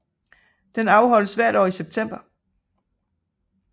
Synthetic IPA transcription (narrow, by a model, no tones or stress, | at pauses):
d̥enɑ̈ʊɦɒ̽l̰əsʋæɐ̰ɾ̥ɒ̰ːiseb̥̚t͡sʰem̰b̥ɐ